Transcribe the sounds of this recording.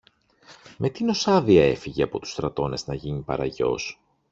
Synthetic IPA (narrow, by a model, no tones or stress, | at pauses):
mʔe̞t̪ino̞sɐðiɐe̞fiʝe̞ɐpo̞t̪u̥st̪ɾɐt̪o̞ne̞znɐʝinipɐ̰ɾɐʝo̞̰s